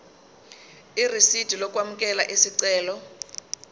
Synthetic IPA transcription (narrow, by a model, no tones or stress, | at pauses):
irisid̥ʱilɔk̬ʼwamukʼɛlaʔesiǀɛːlɔ